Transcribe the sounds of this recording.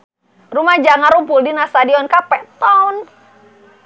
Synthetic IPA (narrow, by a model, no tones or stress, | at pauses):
rumad͡ʒaŋanɾumpuldinast̪adiɔnkapɛt̪ɔn